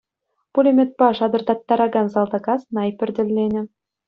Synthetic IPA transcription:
pulʲemʲet̪̚pɑʂɑd̪ɤ̆rt̪ɑt̪ːɑɾɑɡɑnzɑlˠd̪ɑɡɑsnɑjpʲɘ̆rʲdʲɘ̆lʲːenʲɘ̆

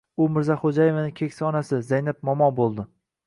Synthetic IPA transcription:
ʊmɪɾzaχod͡ʒaje̞vanɪkʲʰekʲsɪɒnasɪzajnap̚mɒmɒbolˠd̪ɪ

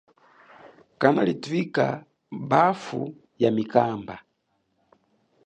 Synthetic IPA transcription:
kanalitwika̰ | bafṵ | jamikamba

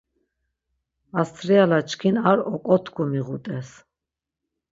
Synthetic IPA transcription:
ast͡s̪ʰɾialat͡ʃʰkʰinaɾɔkʼɔt̪ʰkʰumiʁut̪ʼɛs

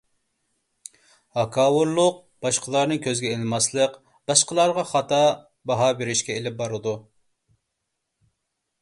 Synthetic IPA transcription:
hɑkʰɑːwuɾlˠʊq̚ | b̥ɑʃqʰəlˠɑɾnɨŋkʲʰøzɡʲɛelɨmɑslˠəq | b̥ɑʃqəlˠɑɾʁɑχɑt̪ɑ | bɑɦɑːbeɾɪʃkʲɛelɪp̚bɑɾɨd̪u

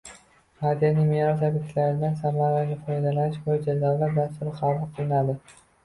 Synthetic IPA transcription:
mad̪ijanɪmeɾɒt̪ʰabɪk̪ʲlaɾɪd̪ansamaɾaɡʲafɒjd̪alanɪʃbojd͡ʒazalaɾd̪ast̪ʊɾɪqaɑqʰɨlˠɪnad̪ɪ

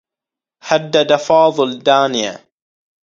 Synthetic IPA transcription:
had̪ːad̪afɑːðˤɨld̪aːnɪja̰

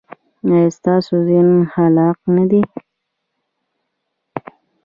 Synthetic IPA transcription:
əst̪ɑsozinhalɑqnad̪i

